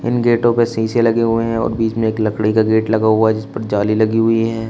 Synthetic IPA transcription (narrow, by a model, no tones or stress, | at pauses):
ɪ̰nɡeːʈõpesiːselɐɡeɦʊeɦɛ̃ɔ̰ːɾbiːt͡ʃmẽeːklɐkɽikaɡeːʈlɐɡaɦʊaɦɛd͡ʒɪspəɾd͡ʒaːlilɐɡiɦʊiɦɛː